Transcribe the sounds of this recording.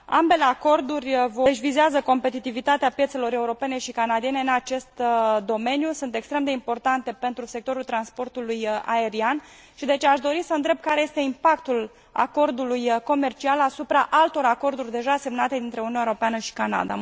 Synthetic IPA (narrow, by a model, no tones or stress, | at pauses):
a̰mbe̞le̞ako̞rd̪urʲvʃʲvizeazəko̞mpe̞t̪it̪ivit̪at̪eapje̞t̪se̞lo̞ɾe̞uɾo̞pe̞neʃikanad̪ie̞ne̞ɨnat͡ʃe̞st̪d̪o̞me̞njusunt̪e̞kst̪ɾe̞md̪e̞impo̞rt̪ant̪e̞pe̞nt̪ɾuse̞k̚t̪o̞ɾult̪ɾanspo̞rt̪uluja̰e̞ɾian | ʃid̪e̞t͡ʃeaʃd̪o̞ɾisəɨnd̪ɾe̞b̚kaɾe̞jest̪e̞impakt̪ul | a̰ko̞rd̪ulujko̞me̞rt͡ʃialasupɾaʔalt̪o̞ɾako̞rd̪urʲd̪e̞ʒase̞mnat̪e̞d̪int̪ɾe̞uniunaeɾo̞peanəʃi̥kana̰d̪a̰